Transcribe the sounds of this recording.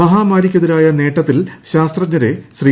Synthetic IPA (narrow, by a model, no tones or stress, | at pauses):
ɐɦaːmaːɾikʲːɐðɐɾaːjɐne̞ːʈːɐt̪ːilɕaːst̪rɐɲːɐɾeɕriː